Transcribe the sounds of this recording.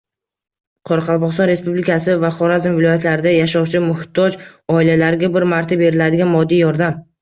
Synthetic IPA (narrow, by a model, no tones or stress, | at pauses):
qʰɒɾɑqʰɑlˠbɒχst̪ɒnɾe̞spublikʰasɪvaχɒɾazmvɪlˠɒjat̪laɾɪd̪ajaʃɒwt͡ʃʰɪlɪmʊhɪt̪ʰːɒd͡ʒɒɪlalaɾɪɡʲabɪɾmaɾt̪ʰabe̞ɾɪlad̪ɪɡʲanmɒd̪ːijɒɾd̪am